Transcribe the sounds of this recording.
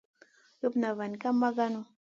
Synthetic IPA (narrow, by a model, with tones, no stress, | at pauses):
ə˦pna˨va˨n˨ka˦ma˦ɡa˦no˦